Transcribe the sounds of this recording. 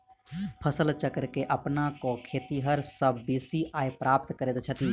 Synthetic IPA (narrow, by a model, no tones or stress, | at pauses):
pʰəsəlt͡ʃəkɾkeʔɐpnakokʰeːt̪iɦəɾsəbːiːsiʔaːepɾaːp̚t̪kəɾeːt̪t͡ʃʰɐt̪iː